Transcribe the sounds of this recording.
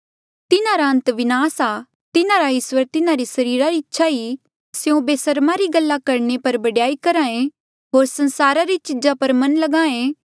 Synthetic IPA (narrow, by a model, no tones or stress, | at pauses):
t̪ɪnaɾaɦɐ̃nt̪ʋɪnaːsa | t̪ɪnaɾaɪswəɾt̪ɪnaɾisɐɾiːɾaɾiɪtːʃʰai | sjõbeːsɐɾmaɾiɡɐlːakɐɾɳepɐɾbɐɽjaːikɐɾãːẽ | ɦoːɾsɐ̃nsaːɾaɾit͡ʃɪd͡ʒapɐɾmɐ̃nlɐɡãːẽ